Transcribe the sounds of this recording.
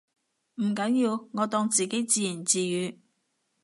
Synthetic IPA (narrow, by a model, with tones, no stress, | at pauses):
m̩˨˩kɐ˨˥njiː˧wŋɔː˨˧t̪ɔː˧ŋt͡siː˨ke˨˥jt͡siː˧ji˨˩nt͡siː˧jyː˨˧˥